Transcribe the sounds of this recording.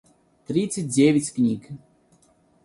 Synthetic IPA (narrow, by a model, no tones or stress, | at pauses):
t̪ɾʲit̪sɨt̚ʲdʲevʲɪtʲknʲik